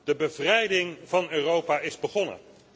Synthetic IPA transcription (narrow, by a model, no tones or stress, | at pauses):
d̥əbəvrɛjdɪŋv̥ɑnøːrowpaːɪzbəχɔnə̰n